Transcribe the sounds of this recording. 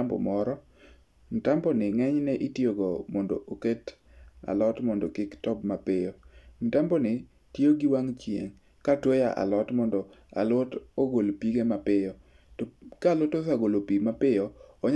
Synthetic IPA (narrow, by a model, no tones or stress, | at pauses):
ambɔ̰mɔɾɔ | ŋ̩tambɔnɪŋɛɲnɛʔitjoɡɔmɔndo̰oket | a̰lɔtmɔndɔkɪktɔbmapɪjoŋ̩tambɔnɪ | tjoɡiwaŋt͡ʃjḛŋ | katwojaʔa̰lɔtmɔndɔa̰lotoɡolpiɡemapɪjɔ | tɔkalotosaɡolopimapɪjɔːɲ